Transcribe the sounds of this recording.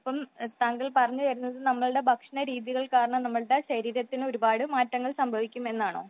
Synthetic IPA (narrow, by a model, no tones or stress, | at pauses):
ipːɐmt̪aŋɡɐɭpɐrɐɲːuʋɐɾunːɐðɨnɐmːɐɭɨɽe̞bʱɐkʂɐɳɐɾiːðiɣɐɭkaːɾɐɳɐmnɐmːɐɭɨɽe̞ɕɐɾiːɾɐt̪ːino̞ɾubaːɽɨmaːtːɐŋːɐɭsɐmbʱɐʋikʲːume̞nːaːɳo̞̰ː